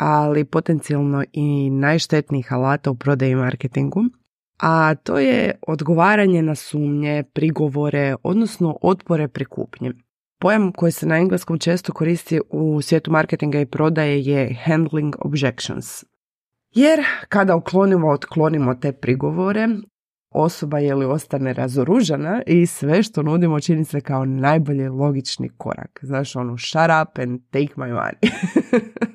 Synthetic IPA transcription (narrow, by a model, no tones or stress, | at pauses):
alipo̞t̪e̞nt̪sialˠno̞inajʃt̪e̞t̪niixalaːt̪aupɾo̞d̪ajimaɾket̪iŋɡu | at̪o̞̰ːjḛo̞d̪ɡo̞ʋaːɾaɲe̞nasuːmɲe̞pɾiɡo̞ʋo̞ɾe̞o̞̰d̪no̞sno̞ʔo̞t̪poɾe̞pɾikṵːpɲe | po̞jamko̞jise̞naiŋɡlˠesko̞mt͡ʃe̞ːst̪o̞ko̞ɾiːst̪iusʋje̞ːt̪umaɾket̪iŋɡaipɾo̞d̪ajejehand̪liŋɡo̰bd͡ʒekʃo̰ns | je̞ɾkad̪auklˠo̞nimoot̪klˠo̞nimo̞t̪e̞ːpɾiɡo̞ʋo̞ɾe̞ | o̞so̞bajelio̞st̪ane̞ɾa̰zoɾuʒenaʔisʋe̞ʃt̪o̞nud̪imot͡ʃinisekao̞najboʎilˠo̞ɡit͡ʃnḭkʰo̞̰ɾa̰kznaːʃonuʃaɾapɛ̃nt̪ejkmajwa̰ni